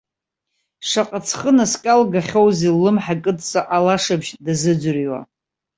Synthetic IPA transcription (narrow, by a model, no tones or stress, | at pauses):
ʂaqʼat͡sʰχənaskʼalɡaχʲowzilːɨmħakʼɨtʼt͡sʼaʔalaʂabʒdazɨd͡ʒʷriwa̰